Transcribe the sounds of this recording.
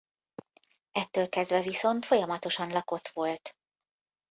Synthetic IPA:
ɛt̪ːøːlkɛzd̪vɛviso̞nt̪fo̞jɒmɒt̪o̞ʃɒnlɒko̞t̪ʋo̞lt̪

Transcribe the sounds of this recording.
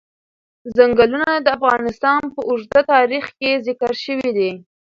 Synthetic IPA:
zaŋɡalunad̪əafɣɑnɪst̪ɑnpəʔʊʒd̪at̪ɑɾixkezɪkaɾʃəwid̪i

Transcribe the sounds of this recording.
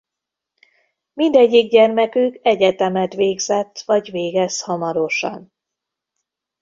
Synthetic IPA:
mind̪ɛɟːiɡ̚ɟɛrmɛkykɛɟɛt̪ɛmɛt̪ʋeːɡzɛt̪ːʋɒɟveːɡɛshɒmɒɾo̞ʃɒ̰n

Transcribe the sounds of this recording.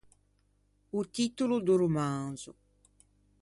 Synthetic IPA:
ut̪it̪ulud̪uɾumaŋzu

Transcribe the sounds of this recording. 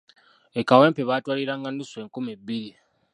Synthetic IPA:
ekaweːmpeβaːtwaːliɾaːŋɡanːuswe̞ːŋkumibːiɾi

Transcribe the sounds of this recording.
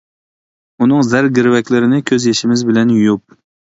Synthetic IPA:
unɨŋzæɾɡʲɪɾwɛkʲlɪɾɪnɪkʲʰøzjeʃɪmɪzbɪlɛnjujup̚

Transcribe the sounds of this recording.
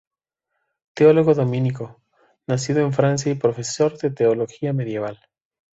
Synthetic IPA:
t̪eolo̞ɣoðo̞mĩniko̞ | nas̬iðo̞eɱfɾans̬jaipɾo̞fe̞so̞ɾðet̪eolo̞xiame̞ðje̞β̞al

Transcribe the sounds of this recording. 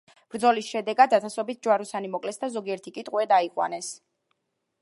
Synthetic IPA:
b̥ɾd̪zɔlisʃɛd̪ɛɡad̪ːat̪ʰasɔbit̪̚ʰd͡ʒwaɾusanimɔkʼlɛsd̪azɔɡiɛɾt̪ʰikʼit̪ʼwɛd̪aiqʼwa̰nɛs

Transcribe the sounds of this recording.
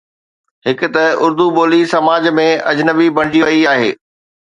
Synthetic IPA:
ɦɪkʊ̆t̪ɐʊɾd̪uɓoːlisɐmaːd͡ʑmẽɐ̰d͡ʑnəbibʱɐɽ̃d͡ʑiʋɐiaːɦḛː

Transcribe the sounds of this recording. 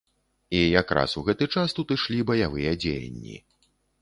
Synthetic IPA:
ijakɾa̰suɣɛt̪ɨt͡ʂast̪ut̪ɨʂlʲibɐjavɨjɐd͡zʲejɐ̰nʲːḭ

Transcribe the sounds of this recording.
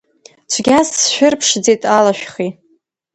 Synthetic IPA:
t͡ʃʷʰɡʲasʃʷᶣʊrpʰʂd͡zejtʼalaʃᶣχi

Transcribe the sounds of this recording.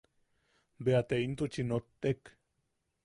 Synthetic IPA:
beat̪eint̪ut͡ʃinot̪ːek

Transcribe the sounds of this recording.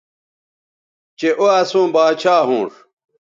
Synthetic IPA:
t͡ɕeʔoɐsũːbaːt͡ɕʰaːɦũːʂ

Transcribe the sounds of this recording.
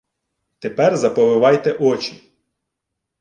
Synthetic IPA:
t̪epɛrzɐpɔʋɪʋɑjt̪ɛʔɔt͡ʃʲi

